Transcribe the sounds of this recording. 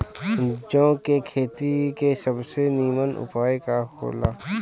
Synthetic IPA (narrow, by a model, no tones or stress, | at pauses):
d͡ʒõːkekʰeːt̪ikesəbseniːmənʊ̰paːekaɦo̰ːla̰ː